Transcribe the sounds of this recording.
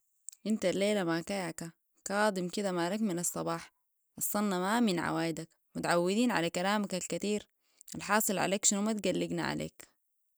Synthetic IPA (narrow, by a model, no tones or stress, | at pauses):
ʔint̪alːeːlamakajʕka | kɑːd̪ˤimkid̪amaːlakminɑsˤːɑbɑːħ | ʔɑsˤːɑnːɑmaminʕa̰waːjd̪ak | mut̪aʕawːid̪iːnʕa̰lakalaːmakalkat̪iːɾ | ʔalħɑːsˤɨlʕa̰leːkʃinumat̪ɡalːiɡna̰ʕa̰lḛːk